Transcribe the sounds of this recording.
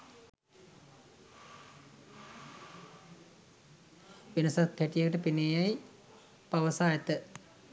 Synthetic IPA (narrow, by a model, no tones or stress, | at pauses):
ʋinɐsɐt̪heʈijekəʈəpineːjaj | paʋəsaːjɐt̪ə